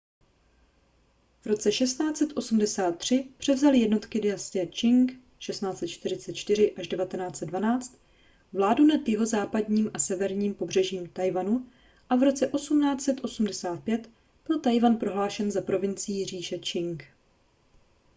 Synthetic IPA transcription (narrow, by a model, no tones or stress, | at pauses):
vɾo̞t͡sɛʃɛst̪naːt͡sɛt̪ʔo̞sumdɛsaːt̪ːr̝̥ɪpr̥ɛvzalɪjɛdno̞t̪kɪdɪast̪ɪɛt͡ʃɪŋk | ʃɛstnaːt͡sɛt̪t͡ʃt̪ɪɾ̝ɪt͡sɛt̪̚t͡ʃt̪ɪɾɪʔaʒdɛvat̪ɛnaːt͡sɛd̪dvanaːt͡st̪ | vlaːdunad̪jɪɦo̞zaːpadɲiːmʔasɛvɛɾɲiːmpo̞br̝ɛʒiːmt̪ajvanu | ʔavɾo̞t͡sɛʔo̞sumnaːt͡sɛt̪ʔo̞sumdɛsaːt̪̚pjɛt̪ | b̥ɪlt̪ajvanpɾo̞ɦlaːʃɛnzapɾo̞vɪnt͡sɪiːr̝iːʃɛt͡ʃɪŋk